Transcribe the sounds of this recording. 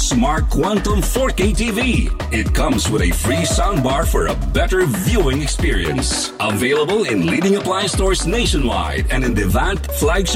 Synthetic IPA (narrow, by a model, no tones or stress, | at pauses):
smɑɹt̚kʰw̥ɑ̃ntə̃mfɔɹkitivi | ɪt̚kʰʌ̃mzwəðɨfɹisãʊ̃nbɑɹfə˞ə̰bɛɾə˞vjuɪ̃ŋɨkspɪɹḭɨ̰̃ns | ʔəveɪlˠəbəl̩ˠɪ̃nliɾɪ̃ŋəpʰl̥aɪ̃stɔɹzneɪʃɨ̃nwa̰ɪɾɨ̃nɨ̃nðɨvæ̃ntflæɡʃ